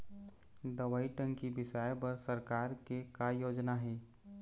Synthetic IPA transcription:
d̪ɐʋaːiʈə̃ŋkibɪʃaːjpɐɾsɐɾkaːɾkekajoːd͡ʒnaɦɛː

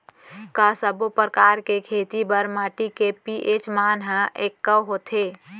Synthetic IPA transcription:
kasəbopɾəkaɾkekʰet̪ibəɾmaːʈikepiʔet͡ʃmanɦəʔekːəwɦot̪ʰe

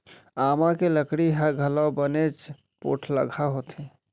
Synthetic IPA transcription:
amãkeləkɽiɦaɡʱəlawbənet͡ʃ | po̰ʈʰləɡʱaɦot̪ʰẽ

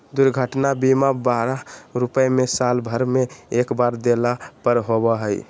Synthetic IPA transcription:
d̪uɾɡʱəʈnabimabaɾəɾupəemesalbʱəɾmeekbaɾd̪elapəɾɦobəɦəj

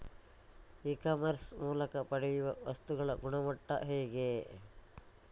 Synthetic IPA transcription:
ikaːmɐɾsmuːlɐkɐpɐɽɛjuʋɐʋɐst̪uɡɐɭɐɡuɳɐmɐʈːɐ̰ɦɛːɡe

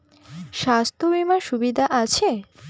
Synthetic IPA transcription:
ʃast̪ʰobimaʃubid̪ʱaʔat͡ɕʰe

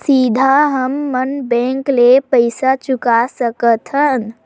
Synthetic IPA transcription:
sid̪ʱaɦəmːənbɛ̃ŋklepəɪsat͡ʃukasəkət̪ʰɦən

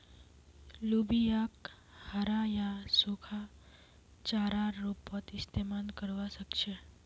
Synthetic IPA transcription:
lubijakhaɾajasukʰa | t͡ʃaɾaːupːət̪ist̪ʰemankəɾʋaʃəkʃe

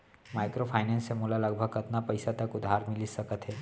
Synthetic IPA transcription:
maːɪkɾopʰaːɪnɛ̃ːnsemuːlalɐɡ̚bʱəɡɐt̪napɐɪsat̪ɐkʊd̪ʱːaːɾmɪlisɐkət̪ɦɛː

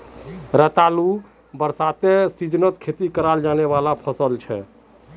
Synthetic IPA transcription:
ɾət̪alu | bəɾsat̪esid͡ʒnət̪kʰet̪ikəɾald͡ʒanɛbalapʰəsəlt͡ʃʰɛ̰

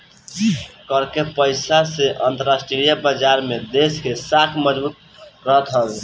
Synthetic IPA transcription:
kəɾkepəɪsaseʔənt̪əɾasʈeɾijabəd͡ʒaɾmed̪eskesakʰməd͡ʒbut̪̚ | ɾəɦt̪ɦəle

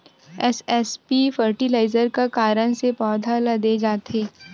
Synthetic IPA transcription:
ɛsɛspifəɾʈilaːɪzəɾkakaːɾəñsepɔːd̪ʱalɐd̪ed͡ʒaːt̪eː

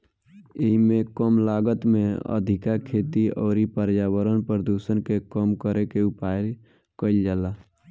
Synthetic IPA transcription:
iɦimẽkəmlaɡət̪mẽə̰d̪ʱɪkakʰet̪iɔːɾipəɾjawəɾənpəɾd̪usənkekəmkəɾekeupajl | kəɪld͡ʒaːla

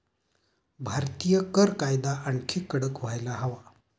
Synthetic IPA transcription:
bʱaɾt̪ijəkəɾkajd̪aʔəɳkʰekːəɽəkʋ̤ajlaɦəʋa

